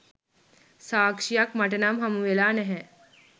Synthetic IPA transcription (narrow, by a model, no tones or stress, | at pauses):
saːkʂijakmaʈ̬ənamɦamuʋelaːnɛɦɛ